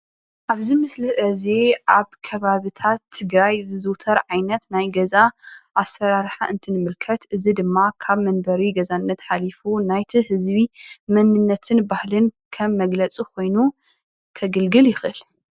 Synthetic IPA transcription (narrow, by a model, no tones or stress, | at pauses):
ʔaβzimɨslɨʔɐzeʔaβkʰɐβaβɨt̪ʰat̪ʰːɨɡɾajzɨzɨwt̪ʰɐɾʕajnɐt̪najɡɐzaʔasːɐɾaɾħaʔɨnt̪ʰɨnɨmɨlkʰɐt̪ʔɨzid̪ɨmːakʰaβmɐnbɐɾiɡɐzanːɐt̪ħalifunajt̪ʰihɨzβimɐnːɨnːɐt̪ʰɨnbahlɨnkʰɐmːɐɡlɐt͡sʼikʰo̞jnu | kʰɐɡɨlɡɨljɪxʔɨl